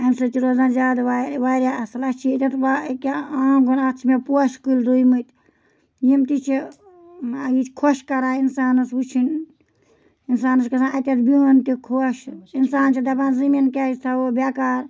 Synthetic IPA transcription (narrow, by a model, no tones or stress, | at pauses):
ɐmsɨt͡ʃiɾozãnzʲaːd̪ʋaʋaɾʲjaslɐt͡ʃʰiet̪ʲɐt̪ʰʋakaaːɡonɐt͡ʃʰmepoʃkulɾuimɨt̪ | jimt̪it͡ʃʰi | ɐɡit͡ʃʰkʰoʃkɐɾaːinsaːnɨsut͡ʃʰin | insaːnɨskɐsãnɐt̪ʲɐt̪biɦont̪ikʰoʃinsaːnt͡ʃʰid̪ɐpaːnziminket̪ʰaobʲakaːɾ